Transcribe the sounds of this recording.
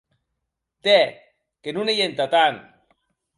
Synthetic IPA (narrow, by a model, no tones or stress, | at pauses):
t̪e | kenunejent̪at̪an